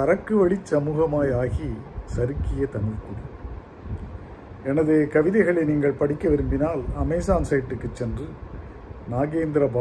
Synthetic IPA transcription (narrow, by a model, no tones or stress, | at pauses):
ɐɾɐkːɯʋɐɭɪt͡ʃsɐmuːɣɐmaːjaːɣisɐɾɯkːɪjɐt̪ɐnɯʋkuɽi | ɛnɐðeːkɐʋɪðɐɪɣɐɭɐɪniːŋɡɐɭpɐɽɪkːɐʋɪɾɯmbɪnaːlɐmɐɪsaːnsɐjʈːɯkːɯt͡ʃːɛndrɯ | naːɣeːnd̪ɪɾɐba